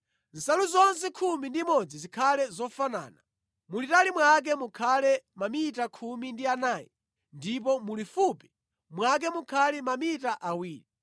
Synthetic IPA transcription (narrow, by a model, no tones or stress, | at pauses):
n̩saluzɔnsɛkʰumindimɔd͡zizikʰalɛzɔfana̰ːna | mulitalimwak̬ɛmukʰalɛmamitakʰumindianaːjɛ̰ | ndip̬ɔmulifupi̥ | mwak̬ɛmukʰalimamitaʔawiːli